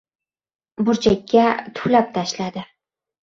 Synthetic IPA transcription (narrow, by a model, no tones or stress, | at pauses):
bʊɾt͡ʃʰakʲːat̪ʰʊ̥plap̚t̪ʰaʃlad̪ɪ